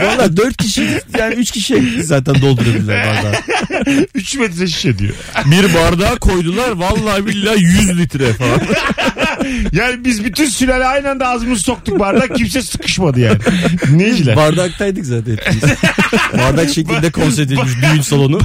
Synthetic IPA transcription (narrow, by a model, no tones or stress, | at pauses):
valˠːaːd̪øɾt̪̚cʰiʃijaːniyt͡ʃcʰʲiʃiebʲid̪izaːt̪ʰænd̪o̞lˠd̪uɾabilʲːiɾbaɾdd̪a | yt͡ʃmet̪ɾeʃ̬i̥ʃed̪ḭjo̰ | biɾbaɾd̪aːkʰo̞jd̪ulˠaɾvalˠːaːbilʲːaːjyzlʲit̪ɾɛfaan | jaːnibizbyt̪ʰynsylɛlʲajnænd̪aːzɯmɯzso̞k̚t̪uk̚baɾd̪aims̬ɛsɯ̥kʰɯ̥ʃmad̪ɯja̰ːnɪned͡ʒʲɛbaɾd̪ak̚t̪ʰajd̪ɯkzaːt̪ʰænʰi | baɾd̪akʃecʰid̪ɛkʰo̞n̬ɛɾt̪et̪ʲmiʃd̪yjynsalˠo̞nu